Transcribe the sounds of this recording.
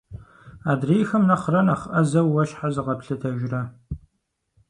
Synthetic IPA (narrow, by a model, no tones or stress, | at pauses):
aːdreːjxɐmnɐχrɐnɐχʔɐzɐwːɐʃħazɨʁɐpɬɨtʰɐʒrɐ